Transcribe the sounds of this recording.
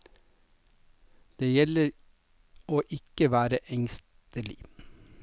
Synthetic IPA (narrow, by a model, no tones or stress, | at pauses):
d̪̥eːjɛləɾ | oːʔɪkəʋæːɾəʔɛŋst̪əlɪ̰